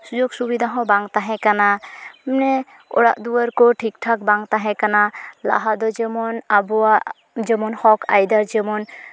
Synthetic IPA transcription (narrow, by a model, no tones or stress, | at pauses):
sud͡ʒoɡsubid̪ʱaɦɔ̃baŋt̪aɦɛ̃kanamnɛ | ɔ̰ɽa̰ʔd̪uəɾkɔʈʰik̚ʈʰak̚baŋt̪aɦɛ̃kanala̰ɦad̪ɔd͡ʒemɔnabɔa | d͡ʒɛmɔnhɔkʰa̰jd̪aɾd͡ʒɛmɔn